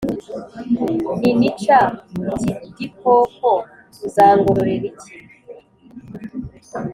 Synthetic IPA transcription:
ninit͡ʃatidikʰoko | zaːŋɡuɾɾeɾiti̥

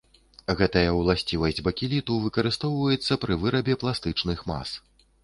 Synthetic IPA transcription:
ɣɛt̪ɐjɐwlˠasʲt͡sʲivɐsʲd͡zʲbɐkʲilʲit̪uvɨkɐɾɨst̪ɔwvɐjɛt̪sːɐpɾɨvɨɾɐbʲɛplˠast̪ɨt͡ʂnɨxma̰s

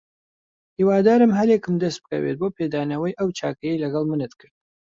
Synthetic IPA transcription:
hiːwaːd̪aːɾɨmɦɐɾjekɨmd̪ɐst̪̚bɨ̥kɐ̰wḛt̪̚boːpʰeːd̪aːnɐwɐjʔɐwt͡ʃʰaːkɐjejlɐɡɐlˠmɨnɨt̪kʰɨɾd̪

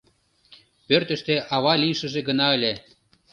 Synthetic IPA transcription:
pørt̪ə̆ʃt̪eʔɑβɑlʲijʃə̆ʒeɡənɑelʲe

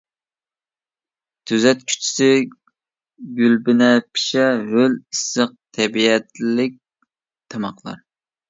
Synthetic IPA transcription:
t̪ʰyzɛt̪̚kʲʰy̥t͡ʃʰi̥sɪ | ɡʲylbɪnɛpʰi̥ʃɛɦølisːəq̚t̪ʰɛbiɛt̪lɪk̚ʲ | t̪ʰɑmɑqlˠɑ̰ɾ

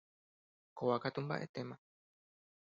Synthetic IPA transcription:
kowakat̪umba̰ʔe̞̰t̪e̞mã

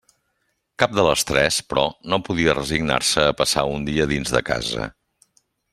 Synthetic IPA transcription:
kap̚d̪ələst̪ɾɛspɾɔnopuðiərəziɡna̰rsəːpəsaund̪iəðinzðəka̰zə̰

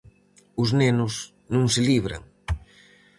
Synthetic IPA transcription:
ʊznenʊs | nũŋsɪliβɾa̰ŋ

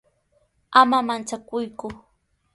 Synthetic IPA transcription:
amamant͡sakʊjkʊ

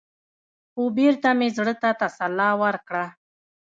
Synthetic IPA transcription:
obeɾt̪amezɽət̪at̪asalːɑwaɾkɽa

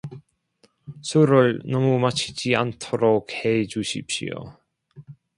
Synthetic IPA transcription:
sʰuɾɯɭnʌmumat͡ɕʰid͡ʑia̰ntʰʌɾok̚he̞d͡ʑuɕʰip̚ɕ͈ḭjo̰

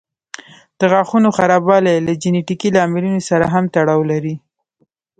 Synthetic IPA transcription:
d̪̥əɣɑxunoxaɾɑbɑlelad͡ʒɪneʈikilɑmɪlunosaɾaɦamt̪aɽɑwlaɾi

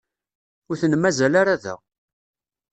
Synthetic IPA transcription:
ʊɾθənəmːæzælaɾaðæ̰

